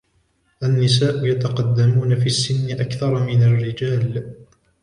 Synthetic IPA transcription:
ʔanːɪs̬aːʔʊjat̪ɑqɑd̪ːamuːnafiːasːɪnːɪʔakθɑɾˤmɪnarːɪd͡ʒaːl

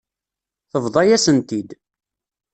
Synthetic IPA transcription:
θəvðˤɑjæsənt̪id̪

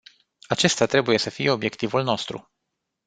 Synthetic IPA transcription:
at͡ʃe̞st̪at̪ɾe̞buje̞səfije̞o̞bje̞kt̪ivulno̞st̪ɾṵ

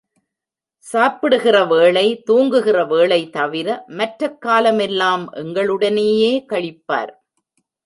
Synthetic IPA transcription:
saːpɪɽɯɣɪrɐʋeːɭɐɪt̪uːŋɡɯɣɪrɐʋeːɭɐɪt̪ɐʋɪɾɐmɐʈɾɐkːaːlɐmɛlːaːmʔɛŋɡɐɭɯɽɐneːjeːkɐɭɪpːa̰ːɾ

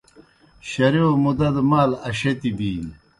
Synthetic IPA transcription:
ɕɐɾiomud̪ɐd̪maːlɐɕet̪ibiːn

